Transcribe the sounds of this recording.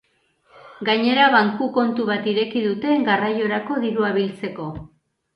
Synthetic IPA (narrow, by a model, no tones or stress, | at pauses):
ɡaɲe̞ɾaβaŋkuko̞nt̪uβat̪iɾe̞kiðut̪e̞ɡarajo̞ɾako̞ðiɾuaβilt͡se̞ko̞